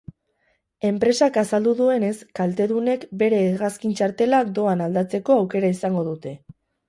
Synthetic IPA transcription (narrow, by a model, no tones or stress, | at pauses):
e̞mpɾe̞sakasald̪uðue̞ne̞skalt̪e̞ðune̞kbe̞ɾe̞ːɣaskint͡ʃaɾt̪e̞lak̚d̪o̞anald̪at͡se̞ko̞awke̞ɾaisaŋɡo̞ð̞ut̪e̞